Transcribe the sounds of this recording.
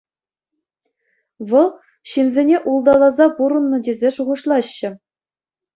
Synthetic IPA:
ʋɤ̆lˠ | ɕinzʲenʲeʔulˠd̪ɑlˠɑzɑpuɾɤ̆nːɤ̆dʲezʲeʂuʁɤ̆ʂlˠɑɕːɘ̆

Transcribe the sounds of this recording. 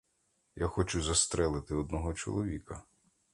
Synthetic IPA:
jaxɔt͡ʃʊzɐst̪ɾɛlˠɪt̪ɪɔd̪nɔɦɔt͡ʃɔ̰lˠɔʋʲikɐ

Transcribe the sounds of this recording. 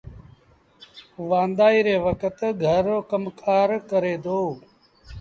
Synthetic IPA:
ʋãːnd̪aːiːɾeːʋəkət̪ɡʱəɾoːkəmkʰaːɾkəɾeːd̪oː

